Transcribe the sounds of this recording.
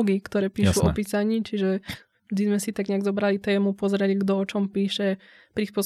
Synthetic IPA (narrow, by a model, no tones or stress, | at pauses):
ɡikt̪ɔɾɛːpiːʃuɔ̰piːsaɲiːt͡ʃiʒɛ | ʒd̪izmɛsit̪aɡɲɛaɡzɔbɾalit̪ɛːmupɔzɾɛliɡd̪ɔɔt͡ʃɔmpiːʃɛ | pɾispʊɔs